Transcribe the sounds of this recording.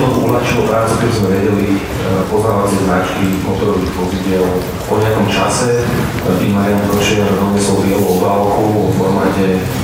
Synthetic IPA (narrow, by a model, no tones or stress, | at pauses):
nɔulaxt͡ʃilɔpɾaːt͡suk̪ɛbizmɛʋɛɟɛli | pɔznaːʋat͡sɪɛznat͡ʃkimɔt̪ɔɾɔʋiːɣʋɔziɟɪɛl | kɔɲɪakɔmt͡ʃa̰sɛ | pɾḭmaɾɪamɛp̪ɾɔɾɛʃɛɲazad̪ɔɲɛsɔʊɾɪɛluɔbalkuɔfɔɾmaːɟɛ